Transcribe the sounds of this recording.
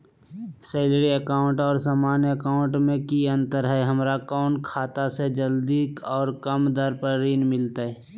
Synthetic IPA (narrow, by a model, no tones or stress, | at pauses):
seːlɾiəkaːʊ̃ɳʈɔːɾsaːmaːnjəəkaːʊ̃ɳʈmẽkiə̃nt̪əɾɦɛɦəmɾakɔːɳkʰaːt̪ased͡ʒəld̪ikɔːɾkəmd̪əɾpəɾɾiːnmɪlt̪aɦɛː